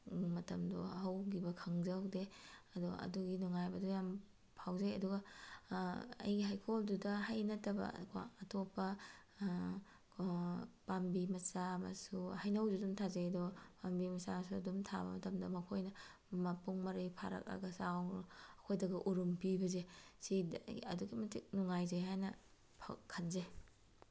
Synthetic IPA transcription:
mɐtɐmdɔɦɐwɡibɐkʰɐŋzɐwdeɐduɡa̰ɐ̰duɡinuŋajbɐdujam | pʰawzeɐduɡɐ | ɐ̰jɡiɦajkʰoldudɐɦajnɐtɐbɐ̰kʰa̰ːtʰopːɐ | pambimɐsamɐ̰suhajnɐwdudumtʰazejɐdɔpambimɐsamɐs̬uɐ̰dumtʰa̰bɐ̰mɐtɐmdɐmɐkʰojnɐ | mɐpuŋmɐɾipʰa̰ɾɐ̰k̚ɐ̰ɡɐsawɐkʰojdɐɡɐʔuɾumpibɐzesiɐduɡimɐtik̚nuŋajzejɦajnɐ | pʰakʰɐnze

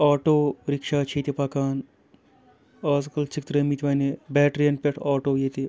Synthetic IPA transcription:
aːʈoːɾikʂaːt͡ʃʰiːt̪ipakaːn | aːs̬kɐlt͡ʃikt̪ɾemit̪ʰʲʋɐːnebɛːʈɾijɐnpeʈʰaːʈoːjet̪i

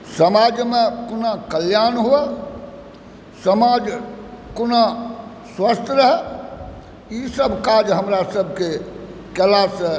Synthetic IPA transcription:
səmad͡ʒmekunakəljanɦue | səmad͡ʒkuna | swəst̪ʰɾəɦɛ | isəbʱkad͡ʒɦəmɾasəbʱke | kəlasə

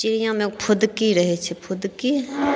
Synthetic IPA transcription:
t͡ʃɪɾijãmẽpʰʊd̪kiɾɐɦet͡ʃʰɛpʰʊd̪ki

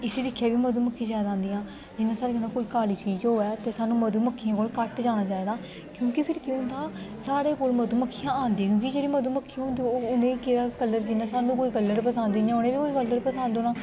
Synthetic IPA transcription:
ɪseːd̪ɪkʰːjaːbiːməd̪uːməkʰːiːd͡ʒaːd̪ãːnd̪iːãː | d͡ʒɪnãːsaːɾeːkənãːkoːiːkaːliːt͡ʃiːd͡ʒɦoːɛːt̪eːsaːnũːməd̪uːməkʰːijãːkoːlkəʈd͡ʒaːɽ̃aːt͡ʃaːiːd̪aː | kjõːkɪpʰɪɾkjːt̪ãːsaːɾeːkoːlməd̪uːməkʰːijãːaːnd̪ĩːãkjõːkɪd͡ʒeːɽiːməd̪uːməkʰːĩʊ̃nd̪inẽːiːkeːɾaːkələɾd͡ʒɪnãːsaːnːũːkoːiːɡəlːəɾpəsãːnd̪iːnãonẽːbiːkoːiːɡəlːəɾpəsãːnd̪oːnãː

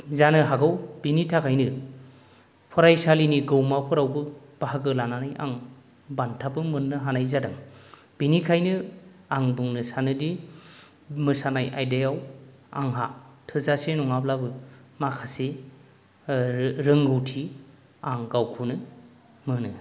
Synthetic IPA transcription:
zanɯɦaɡɯwb̥initʰakʰajnɯ | pʰɔɾajsaliniɡɯwmapʰɯɾawbɯ | b̥aɦaɡɯlananɯjʔa̰ŋ | bantʰapɯmɯnːɯɦanajzadɯŋ | b̥inikʰajnɯaŋbɯŋnɯsanɯdi | mɯsanajʔa̰jdajaw | a̰ŋɦatʰɯzasenɔŋablabɯmakʰase | ɾɯŋɡɯwtʰi | aŋɡawkʰunɯ | mɯnɯ

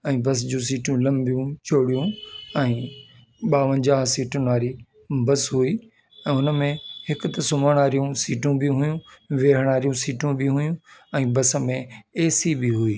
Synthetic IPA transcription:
ɛ̃ːbɐs̬d͡ʑũːs̬iːʈjũlɐ̃mbijũt͡ɕʰoːɽijũɛ̃ː | ɓaːʋə̃nd͡ʑaːɦsiːʈʊnʋaːɾi | bɐsɦuiː | ɛ̃ːʊnəmẽhɪkʊt̪ɐsʊməɽ̃aːɾijũsiːʈũbɪɦʊjũʋeːɦəɽ̃aːɾijũsiːʈũbɪɦʊjũɛ̃ːbɐs̆mẽeːsibɪɦuiː

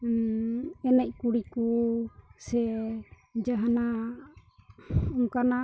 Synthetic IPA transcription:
ɛnɛc̚ˀkuɽiku | sɛ | d͡ʒaɦana | uŋkana

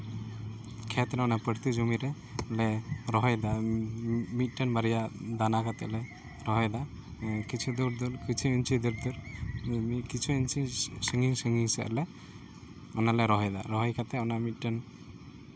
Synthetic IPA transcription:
kʰɛt̪ɾɔnapəɽt̪id͡ʒumiɾɛ | lɛɾɔɦɔjd̪a | mit̪̚ˀʈənbaɾijad̪anakat̪ɛʔlɛ | ɾɔɦɔjd̪a | kit͡ʃʰud̪uɾd̪ulkit͡ʃʰuint͡ʃʰid̪uɾd̪uɾ | kit͡ʃʰuint͡ʃisəŋiŋsəŋɡiŋsɛ̰ʔlɛ | ɔnalɛɾɔɦɔjd̪a̰ɾɔɦɔjkʰat̪ɛɔnamit̪̚ˀʈən

